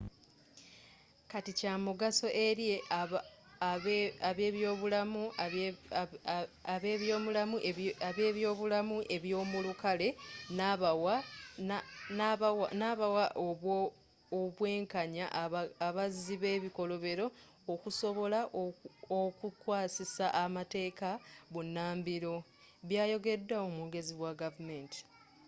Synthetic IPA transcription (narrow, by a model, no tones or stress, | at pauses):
katicaːmuɡaso̞ʔe̞ɾje̞a | aβeːβjo̞ːβulamu | aβe̞ːβjo̞ːmulamuaβe̞ːβjo̞ːβulamuʔe̞βjo̞ːmulukale̞nawa | naβawnaβawaʔoβwo | oβwe̞ːŋkaɲaʔaβaziβe̞ːβiko̞lo̞βe̞ɾo̞ː | kuso̞βo̞laʔokukwaːsisaʔamate̞ːkaβunːaːmbiɾo̞ | βjaːjo̞ɡe̞dːaomuɡe̞ziβwaɡavume̞nti̥